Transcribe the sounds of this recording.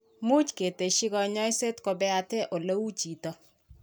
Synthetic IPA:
mu˦t͡ʃke˨te˨ʃi˦kɔ˦ɲɔ˦jse˦tko˦bɛ˦a˨tɛ˦ʔo˨lo˦u˦t͡ʃi˨tɔ˦

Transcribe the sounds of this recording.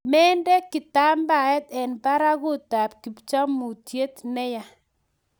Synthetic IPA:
mɛ˦ndɛ˦ki˨ta˦mba˨ɛ˦tɛ˨npa˦ɾa˦ku˦ta˨p̚ki˨pt͡ʃa˦mu˨tje˦tnɛ˦ja˨

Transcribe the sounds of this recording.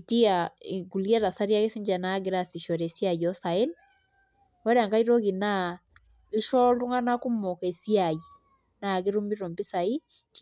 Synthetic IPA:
ti˦a˨ɡu˨li˦a˦ɾa˨sa˦ɾja˦ɡe˦si˦ɲd͡ʒa˨na˦ɡe˦ɾa˦si˨ʃɔ˨ɾɛ˨si˦a˨jɔ˦sa˨e˦n | wɔ˦ɾa˨ŋɡa˦iɾɔ˦ɣi˨na˦ | i˦ʃɔ˦lu˦ŋɡa˦na˦ku˦mːɔ˨kɛ˨si˦a˨ji | na˨ɡe˦ɾu˦mi˦ɾɔ˨mbi˦sa˨i˦ | t

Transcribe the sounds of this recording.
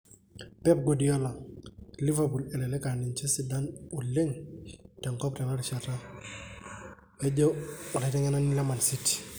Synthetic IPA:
pɛ˦p̚ɡo˨di˨ɔ˦lḁ˨li˦vabu˨lɛ˨lɛ˨lɛ˦ka˨nɪ˨ɲt͡ʃɛ˦si˨da˦nʊ˨le˦ŋtɛ˨ŋkɔ˦ptɛ˨na˦lʃa˨ta | ɛ˦d͡ʒɔ˦ɔ˨la˨tɛ˦ŋɛ˦na˦nɪ˦la˦ma˨nsi˦ti̥

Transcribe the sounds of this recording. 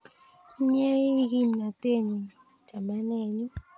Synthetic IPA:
ɲɛ˦i˦ɣi˦˨m˨na˨te˦˨ɲu˨ | d͡ʒ̥a˨mba˦nɛ˦˨ɲu˦

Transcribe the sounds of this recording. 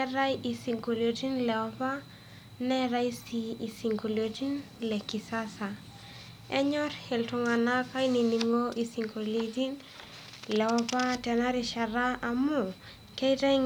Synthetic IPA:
ɛɾa˦ji˨si˨ŋɡo˨lo˨ti˦nlɛ˨ɔ˦pa˦ | nɛ˦ɾa˦i˦sii˨si˨ŋɡo˨lo˨ti˦nlɛ˨ki˨sa˦sa˨ | ɛ˦ɲɔ˦ɾhɪ˨ltʊ˨ŋa˨na˦ka˦i˦ni˨ni˨ŋo˦ʔi˨si˨ŋɡo˨le˨ti˦n | lɛ˨ɔ˦pa˦tɛ˨na˦ɾɪ˨ʃa˨ɾa˦a˨mʊ˨ | kɛ˦ta˦

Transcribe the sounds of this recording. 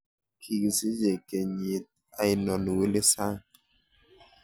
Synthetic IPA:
kʰi˨ki˨si˦d͡ʒe˨ke˨ɲe˨t̚ | a˨i˨nɔ˨nu˨we˦le˦sa˦ŋ

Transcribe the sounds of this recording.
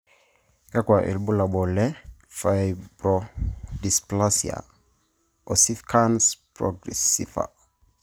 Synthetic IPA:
ka˦kwa˨ʔḭ˨lbu˦la˨ɓɔ˨lɛ˦ | fa˨jbɾɔ˨di˨spla˦sia̰˨ | ɔ˨si˦fkʰanspɾɔ̰ɡɾɛ̰sḭfa̰˨

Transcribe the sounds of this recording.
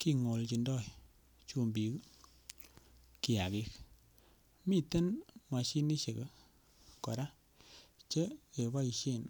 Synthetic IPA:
ki˦ŋo˨lt͡ʃi˧ndɔ˦˨j | t͡ʃu˦mbi˨k | ki˨a˨ɣi˦k | mi˦te˦nmwa˨ʃi˦ni˦ʃe˨k | kɔ̰˨ɾa˦ | t͡ʃe˦ke˨βa˦i˧ʃe˦˨n

